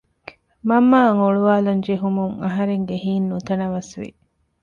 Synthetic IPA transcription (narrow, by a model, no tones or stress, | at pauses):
mɐmːaːŋoɭuʋaːlund͡ʒeɦumuŋɐɦɐɾeŋɡeɦiːnːut̪ɐnɐʋɐsʋḭ